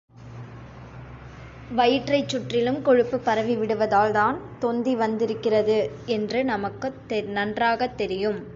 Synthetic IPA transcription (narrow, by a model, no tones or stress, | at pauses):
ʋɐjɪʈrɐɪt͡ʃːʊʈrɪlɯmkɔɻɯpːɯpːɐɾɐʋiʋɪɽɯʋɐðaːlðaːnt̪ɔnd̪iʋɐnd̪ɪɾɯkːɪrɐðɯɛndrɯnɐmɐkːɯ | nɐndraːɣɐt̪ːɛɾɪjɯm